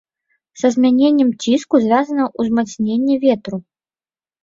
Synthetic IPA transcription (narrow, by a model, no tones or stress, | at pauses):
z̥ɐzʲmʲanʲenʲːɛmt͡sʲiskuzʲvʲazɐnɐʔuzmat̪snʲenʲːɛvʲɛt̪ɾu